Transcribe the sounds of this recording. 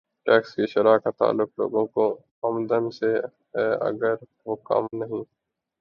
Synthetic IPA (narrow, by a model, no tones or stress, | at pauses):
ʈɛːkskiʃɐɾaːkat̪a̰ːlːʊklo̰ːɡõko | ɐmd̪ənse | ɦɛːɐ̰ɡəɾ | ʋoːkɐ̰mnɐɦĩː